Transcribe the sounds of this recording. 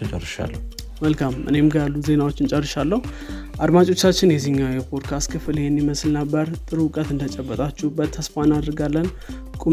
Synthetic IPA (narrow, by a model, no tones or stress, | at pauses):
t͡ʃʼə̰rːɨʃa̰lːə | məlkʰamʔɨ̰ne̞mɡəalːuze̞nawo̞t͡ʃːɪnt͡ʃʼərːɨʃalːəhu | ʔad̪mat͡ʃʼo̞t͡ʃːat͡ʃːɪnjɛziɲːawjɛpʰod̪kʰast̪kʰɨfɨlhɛnːiməslnəbːəɾt̪ʼɨɾukʼət̪ɨnd̪ət͡ʃʼɛbːət̪ʼat͡ʃːuhbət̪ʰːəsfanad̪ɾɡalːən | kʼu